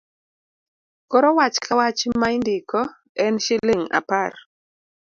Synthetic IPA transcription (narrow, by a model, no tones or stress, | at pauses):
kɔɾɔwat͡ʃkʰawat͡ʃmaɪndɪkɔ | ɛnʃɪleŋa̰par